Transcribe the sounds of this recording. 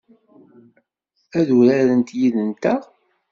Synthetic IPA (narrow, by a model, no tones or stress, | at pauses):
æðuɾæɾənt̪jiðənt̪æ